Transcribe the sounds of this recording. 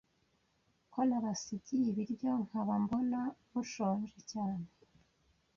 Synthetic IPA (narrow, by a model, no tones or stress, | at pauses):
konaβasiɟijiβiɾjo̞ŋ̥aβambonaβuʃoːɲʒecaːne